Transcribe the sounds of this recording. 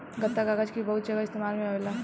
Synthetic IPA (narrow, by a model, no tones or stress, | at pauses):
ɡət̪ːaɡaɡad͡ʒkibɐɦut̪d͡ʒəɡaɪst̪emaːlmẽɦaela